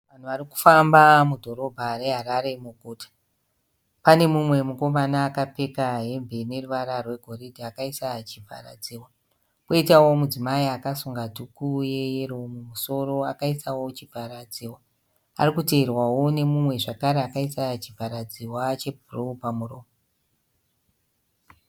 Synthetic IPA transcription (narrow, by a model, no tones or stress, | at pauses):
ʋan̤uʋariku̥fambamudʱo̞ɾo̞bʱare̞ɦaɾaɾe̞muɡʱuːtḁ | pane̞mumwe̞muko̞manaːkape̞kaɦe̞mbene̞ruʋaɾarwe̞ɡʱo̞ridʱiakaisat͡ʃibʱa̰ra̰d͡ziːwa | koitawo̞mud͡zimaiakasuŋɡadʱukuje̞jeromumuso̞ro̞akaisawo̞t͡ʃibʱaɾad͡ziːwa | a̰rikuteːrwawo̞ne̞mumwe̞ʐakaɾeakaisat͡ʃivʱaɾad͡ziwat͡ʃe̞bʱuropamuroːmo